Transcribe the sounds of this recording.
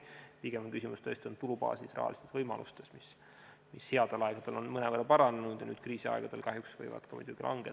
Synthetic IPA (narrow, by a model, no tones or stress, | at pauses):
piɡ̥e̞mɑnkysimust̪ø̞est̪ʲio̞nt̪ulubɑ̰ːsisrɑ̰ɑ̰list̪esvɤjmɑ̰lust̪e̞smis | mishe̞ɑd̪̥elɑeɡ̥ɑd̪̥e̞lo̞nmɤnevərːɑpɑɾɑnenud̪̥jɑ̰nyːd̪̥̚kriːsiɑ̰eɡ̥ɑd̪̥e̞lkɑɦjuksv̥ɤ̰jvɑ̰d̪̥kɑmṵd̪̥uɡ̥ilʔɑ̰ŋɡe